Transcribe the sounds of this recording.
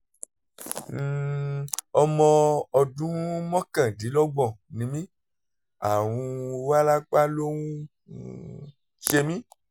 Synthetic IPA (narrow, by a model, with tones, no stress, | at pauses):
ɔ˧mɔ̃˧ɔ˧dũ˦mɔ̃˦kã˨di˨˦lɔ˦ɡ͡bɔ̃˨nĩ˧mĩ˦ | a˨w̃ũ˧wa˦la˦k͡pa˦lo˦wũ˦ | ʃe˧mĩ˦